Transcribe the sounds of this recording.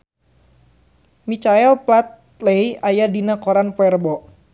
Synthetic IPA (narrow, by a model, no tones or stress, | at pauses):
mit͡ʃaɛlplat̪̚ | lejajadinakɔɾanpwɛrbɔʔ